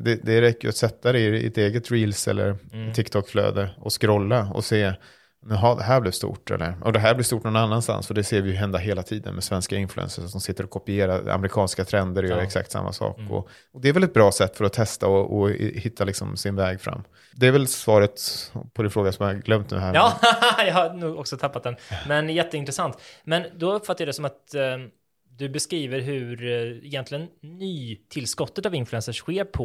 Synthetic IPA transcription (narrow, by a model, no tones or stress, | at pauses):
d̪ɛd̪ɛɾɛkːəjʏ̰at̪sɛt̪ːad̪ɛ̰t̪eːɡət̪ɾiːlsɛ̰lːə̰ɾt̪ʰːɪkt̪ʰɔkːflø̰ːd̪əɔskɾɔlːaɔ̰seː | nʉɦɑːd̪ɛɦæːblɪvst̪ṵːʈɛ̰lːəɾʔɔ̰d̪ɛɦæːblɪɾst̪uːʈːnɔnanːanst̪a̰nsfɔd̪ɛseːɾvɪjɵɦɛnd̪aɦeːlat̪ʰiːd̪ə̰nmɛsvɛnskaɪnflɵɛ̰nsəʂat̪d̪ɔmsɪt̪ːəɾɔkʰɔpɪeːɾaɾa̰mɛɾɪkʰɑːnskat̪ʰɾɛnd̪əɾɔjœːɾaɛksa̰k̚t̪sa̰mːa̰sɑ̰ːkɔ̰ | ɔd̪ɛːɾvɛlɛt̪̚bɾɑːsɛt̪ːfœɾɔt̪ʰɛst̪aɔʔɔhɪt̪ʰːalɪksɔmsɪnvɛːɡfɾa̰mː | d̪ɛæɾvɛlsvɑːɾət̪pʰɔd̪ɛnfɾoːɡasɔmaɾɡlœmt̪nʉ̟ːɦæːɾɑːjɑhaɾnuːɡɔksɔt̪ʰapːat̪̚d̪ɛnmɛnjɛt̪ːəɪnt̪ɾɛsant̪mɛnd̪ɔɵpːfat̪ːajad̪ɛsɔmat̪ | d̪ɵbɛskɾiːvəɾɦɵɾɛjɛnt̪lɪɡənːyːt̪ʰɪlːskɔt̪ːət̪avɪnflɛnsəʂɧeːɾpʰɔ